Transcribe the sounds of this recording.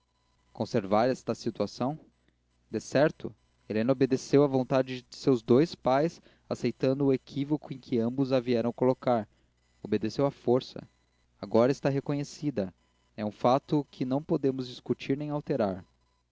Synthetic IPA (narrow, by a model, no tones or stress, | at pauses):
kõseɾvaɾɛst̪ɐsit̪uasɐ̃w̃ | d̪esɛɾt̪ʊ | elẽnɐobed̪esewɐvõnt̪ad͡ʒɪd͡ʒɪsewzd̪ojspajs | asejt̪ɐ̃nd̪ʊːekʰivokʊẽj̃kʰɪɐ̃mbʊzaviɛɾɐ̃w̃kolokaɾ | obed̪esewɐfoɾsɐ̰ | aɡɔɾɐɪst̪aɦekõɲesid̪ɐ | ɛũfat̪ʊkʰɪnɐ̃w̃pod̪ẽmʊzd͡ʒiskut͡ʃiɾnẽj̃awt̪eɾaɾ